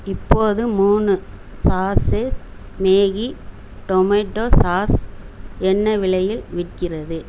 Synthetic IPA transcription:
ɪpːoːðɯmuːnɯsaːses | meːɣi | ʈɔmɐʈːoːsaːs | ɛnːɐʋɪɭɐjɪlʋɪʈkɪrɐðɯ

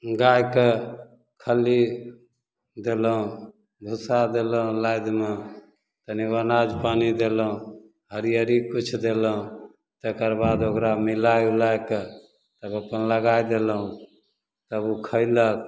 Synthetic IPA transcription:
ɡajke | kʰəli | d̪eləɦũ | bʱusad̪eləɦũlajd̪me | t̪əniʋənad͡ʒpanid̪eləɦũ | ɦəɾijəɾikut͡ʃʰd̪eləɦũ | t̪ekəɾbad̪okɾamilajulajke | t̪əbəpənləɡajd̪eləɦũ | t̪əbukʰəɪlək̚

